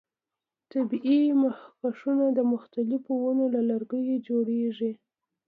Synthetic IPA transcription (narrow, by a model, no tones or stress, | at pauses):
t̪abiʔimahkaʂunad̪əmʊxt̪alɪfowanolalaɾɡəjed͡ʒoɽeʐi